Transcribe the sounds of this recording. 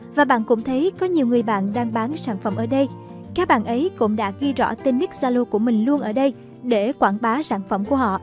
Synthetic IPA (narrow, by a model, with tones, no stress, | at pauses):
vaː˨˩ɓa̰ː˧˨nkʊ̰˧˥ŋ͡mt̪ʰə˨˦jkɔ˨˦ɲi˨˩əwŋɨ˨˩əjɓa̰ː˧˨nɗaː˧ŋɓaː˨˦nsaː˧˩nfə˧˩mʔəː˧˩ɗə˧j | kaː˦˥k̚ɓa̰ː˧˨nʔə˨˦jkʊ̰˧˥ŋ͡mɗa̰ː˧˥ɣi˧zɔ̰˧˥t̪e˧nni˦˥k̚zaː˧lo˧ku˧˩əmï˨˩ŋ̟lu˧ənʔəː˧˩ɗə˧j | ɗe˧˩kwaː˧˩nɓaː˨˦saː˧˩nfə˧˩mku˧˩əhɔ̰˧˨ʔ